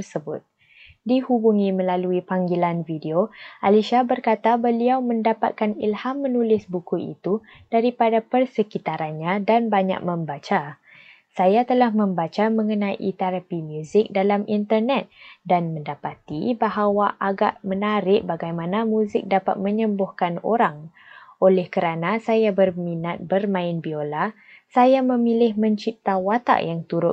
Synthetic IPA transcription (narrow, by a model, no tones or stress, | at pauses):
ərsəbʊ̰t̪̚ | dihubuŋĩmə̃laluipaŋɡilanvideoʔaliʃabərkat̪abəliawmə̃ndapat̪̚kanḭlhamːənulɪsbukuḭt̪u | d̥aɾipadapərsəkit̪aɾanɲãdanbaɲa̰k̚mə̃mbat͡ʃa | sajat̪əlahmə̃mbat͡ʃamə̃ŋənãjḭt̪ɛɾapimjuzɪk̚dalamint̪ərnɛt̪̚danmə̃ndapat̪ḭbaɦawaʔaɡaʔmənaɾɪʔ̚baɡajmãnamũzɪk̚dapa̰t̪̚mə̃ɲəmbʊhkano̰ɾaŋ | ʔolɛhkəɾanasajabərminat̪̚bərmãɪnbiola | sajamə̃milɪhmə̃ɲt͡ʃip̚t̪awat̪a̰ʔjaŋt̪uɾʊ